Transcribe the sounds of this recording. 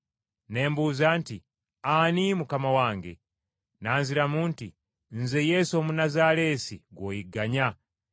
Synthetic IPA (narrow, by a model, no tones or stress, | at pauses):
nembuzaːnti | animukamawaːŋɡḛ | naːnziɾamunti | nzejesomunazalesḭɡwojiɡaɲa